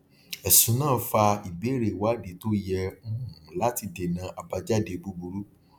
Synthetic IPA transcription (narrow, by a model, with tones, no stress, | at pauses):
ɛ˨sũ˨˦nãː˦˨˦fa˧i˨ɡ͡be˨˦ɾe˨wa˨˦˨de˨to˦jɛ̃˧˦˨ũ˨la˦ti˧de˨nã˨˧ʔa˨ba˧d͡ʒa˦˨de˧bu˧bu˧ɾu˦